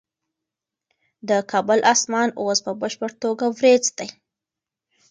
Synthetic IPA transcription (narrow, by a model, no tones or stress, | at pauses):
d̪əkʰɑbʊlʔɑsmɑnospəbəʃpəɽt̪oɡawɾed͡zd̪aj